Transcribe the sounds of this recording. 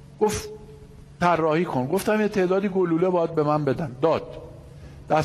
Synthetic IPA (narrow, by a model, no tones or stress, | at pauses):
ɡ̥oft | t̪ʰærːɒːhiːkʰo̞nɡo̞ft̪æmjet̪ʰe̞ːʔd̪ɒːd̪iːɡoluːlebɒːjæd̪̚be̞mænbe̞d̪æmd̪ɒːd̪̥ | d̪̥æ